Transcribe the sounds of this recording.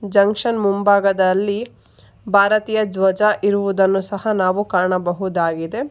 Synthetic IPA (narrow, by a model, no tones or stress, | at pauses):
d͡ʒɐŋkʂɐnmumbaːɡɐd̪ɐlːi | bʱaːɾɐt̪iːjɐd͡ʒʋɐd͡ʒaʔiɾuʋud̪ɐnːusɐɦɐnaːʋukaːɳɐbɐɦud̪aːɡid̪e̞